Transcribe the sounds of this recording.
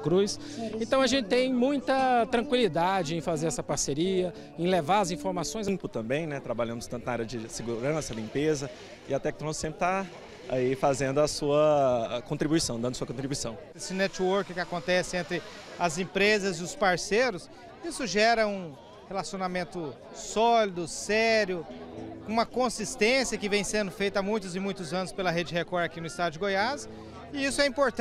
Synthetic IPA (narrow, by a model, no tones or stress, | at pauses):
kɾujs | ẽnt̪ɐ̃w̃ɐʒẽnt͡ʃɪt̪ẽj̃mũj̃t̪ɐt̪ɾɐ̃ŋkwilid̪ad͡ʒɪẽj̃fazeɾɛsɐpaɾseɾiɐ | ẽj̃levaɾɐzĩfoɾmasõj̃z̃pʊt̪ɐ̃mbẽj̃nɛt̪ɾabaʎɐ̃mʊst̪ɐ̃t̪ʊnaaɾjɐd͡ʒɪsɪɡuɾɐ̃sɐlĩmpezɐ | ɪɐt̪ɛk̚t̪ɾõssẽpɾɪ̥t̪a | a̰ifazẽnd̪ʊɐsuɐkõnt̪ɾibujsɐ̃w̃d̪ɐ̃d̪suɐkõt̪ɾibuisɐ̃w̃ | esɪnɛt͡ʃwoɾkkɪakõnt̪ɛsɪẽnt̪ɾɪ | ɐzẽpɾezɐzɪʊspaɾseɾʊs | isʊʒɛɾɐũ | helasionamẽnt̪ʊ | sɔlid̪ʊsɛɾjʊkõũmɐkõsist̪ẽsiɐkɪvẽj̃sẽnd̪ʊfejt̪ɐamũj̃t̪ʊzɪ̃mũj̃t̪ʊzɐ̃nʊspelɐɦed͡ʒɪɦekɔɾakinʊist̪ad̪ʊd͡ʒɪɡojas | ɪisʊɛĩpoɾt̪